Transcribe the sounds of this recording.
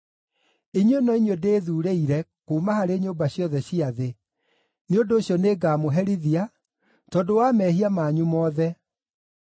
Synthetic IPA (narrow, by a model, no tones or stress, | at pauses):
iɲwenɔiɲodeːðuːɾeiɾɛkuːmahaɾeːɲoːmbaɕjɔðɛɕiaðe | neondoːɕjɔneːɡaːmoɦɛɾiðia | tɔdowamɛːɦiamaɲumɔːðɛ